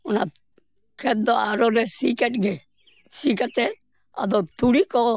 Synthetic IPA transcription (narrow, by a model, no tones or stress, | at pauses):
ʊna̰ | kʰɛt̪̚d̪ɔaɾɔɾɛsikɛʈɡɛ | sikat͡ʃɛ | a̰d̪ɔt̪ʰuɽikɔ